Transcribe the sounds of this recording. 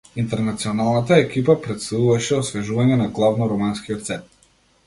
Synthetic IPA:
int̪ɛɾnat̪siɔnalˠnat̪aɛkipapɾɛt̪st̪auvaʃɛɔsvɛʒuvaɲɛnaɡlˠavnɔɾɔmanskijɔt̪sɛt̪̚

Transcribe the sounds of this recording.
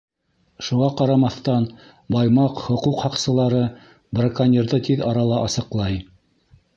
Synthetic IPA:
ʃuʁɑqɑɾɑmɑθt̪ɑn | bɑjmɑqhŏquqhɑqsɤ̆lˠɑɾɤ | brakanʲeɾðɤt̪iðɑɾɑlˠɑʔɑsɤ̆qlˠɑj

